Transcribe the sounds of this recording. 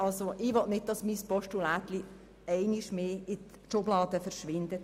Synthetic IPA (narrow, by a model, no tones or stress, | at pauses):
ɑlsoʔɪʋɔʔnɪt̚d̥ɑsmispɔʃtulæt̪li | ɛɪniʃmeːɪt | ʃʊblɑːd̥̪əfəɾʃʋɪnd̪ət